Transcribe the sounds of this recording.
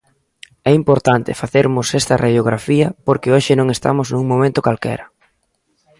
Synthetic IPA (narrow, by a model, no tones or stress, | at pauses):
ɛimpoɾt̪ant̪ɪ̰faθeɾmʊsɛst̪ɐraðjoɣ̞ɾafiɐpoɾkeoʃɪnõŋest̪a̰mʊznuŋmõmẽnt̪ʊkalkɛ̰ɾɐ